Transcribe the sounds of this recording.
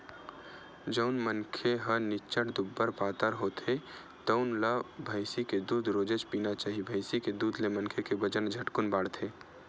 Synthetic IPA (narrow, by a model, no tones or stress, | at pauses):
d͡ʒəʊnmənkʰeɦənɪt͡ʃəʈd̪ʊbːəɾpaːt̪əɾɦot̪ʰe | t̪əʊnləbʱəɪsiked̪uːd̪ɾoːd͡ʒed͡ʒpiːnat͡ʃaːɦibʱəɪsiked̪uːd̪lemənkʰekebəd͡ʒənd͡ʒʱəʈkʊnbaːɽt̪ʰe